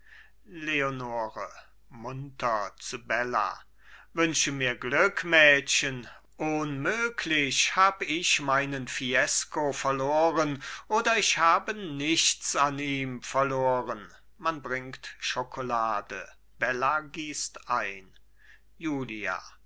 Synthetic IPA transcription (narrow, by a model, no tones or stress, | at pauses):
leonoːʁə | mʊntʰɐt͡subɛla̰ | vʏnʃəmiːɐɡlʏkmɛːʃən | ʔʊnmøːkʰlɪçhaːbəɪçmaɪnənfiɛskofɛɐloːʁənʔoːdɐɪçhaːbənɪçt͡saniːmfɛɐloːʁən | manbʁɪŋktʃokʰolaːdə̰ | b̥ɛlaɡiːstʔaɪn | juːlia̰